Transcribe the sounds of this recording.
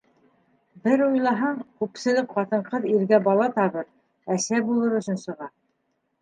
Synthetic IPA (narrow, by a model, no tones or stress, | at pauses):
bɘɾujlˠɑɦɑɴkʉpsɘ̆lɘkqɑt̪ɤ̆ɴqɤðiɾɡæbɑlˠɑt̪ɑβɤɾ | æsæbulˠɤɾɵ̆sʲɵ̆nsɤ̆ʁɑ